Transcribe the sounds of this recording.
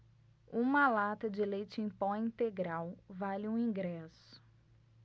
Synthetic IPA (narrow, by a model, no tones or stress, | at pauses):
ũmɐlat̪ɐd͡ʒɪlejt͡ʃɪẽj̃pɔĩnt̪eɡɾawvalɪũĩɡɾɛsʊ̥